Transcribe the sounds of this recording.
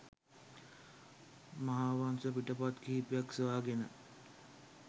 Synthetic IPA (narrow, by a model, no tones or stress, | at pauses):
maɦaːʋansəpiʈəpat̪kiːpjaksəʋaːɡenə